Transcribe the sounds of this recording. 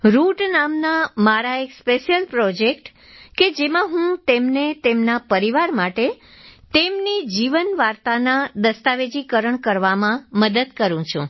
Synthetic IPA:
ɾuʈnamnamaɾaekspeʃjəlpɾɔd͡ʒekʈ | ked͡ʒemãɦũt̪emnet̪emnapəɾiʋaɾmaʈe | t̪emnid͡ʒiʋənʋaɾt̪anad̪əst̪aʋed͡ʒikəɾəɳkəɾʋamãməd̪əd̪kəɾũt͡ʃʰṵ̃

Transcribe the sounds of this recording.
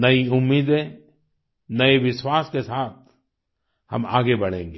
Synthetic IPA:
nɐiʊmːiːd̪ẽ | nɐeʋɪʃwaːskesaːt̪̚ʰ | hɐ̰ma̰ːɡebɐɽ̤ḛ̃ːŋɡe

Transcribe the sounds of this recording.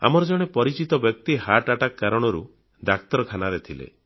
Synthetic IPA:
a̰mɔɾɔd͡ʒɔɽ̃epɔɾit͡ʃit̪ɔbjɔk̚t̪ihaʈaʈakːaɾɔɽ̃ɔɾu | d̪ak̚t̪ɔɾɔkʰanaɾet̪ʰilḛ

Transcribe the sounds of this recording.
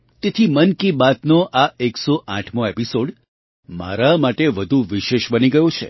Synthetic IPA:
t̪et̪ʰimənkibat̪noʔaeksoʔã̰ʈʰmoepisoɖ | ma̰ɾamaʈeʋəd̪ʱuʋiʃeʃbəniɡəjot͡ʃʰḛ

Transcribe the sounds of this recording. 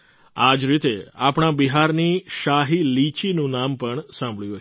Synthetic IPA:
ad͡ʒɾit̪eapɳ̃abiɦaɾniʃaɦilit͡ʃinũnampəɳsãmbʱɭjũɦə

